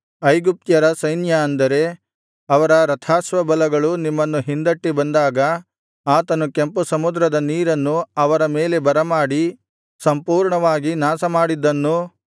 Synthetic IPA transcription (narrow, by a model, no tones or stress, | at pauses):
ɐjɡup̚t̪jɐɾɐsɐjnjɐːnd̪ɐɾe̞ | ɐʋɐɾɐɾɐt̪ʰaːsʋɐbɐlɐɡɐɭunimːɐnːuɦind̪ɐʈːibɐnd̪aːɡɐ | aːt̪ɐnukempusɐmud̪ɾɐd̪ɐniːɾɐnːuɐʋɐɾɐmeːle̞bɐɾɐmaːɽi | sɐmpuːɾɳɐʋaːɡinaːsɐmaːɽid̪ːɐnːu